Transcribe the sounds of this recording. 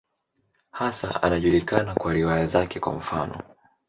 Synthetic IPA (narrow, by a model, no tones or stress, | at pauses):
hasa̰a̰naʄulikanakwaɾiwajazakɛkwa̰m̩fanɔ̰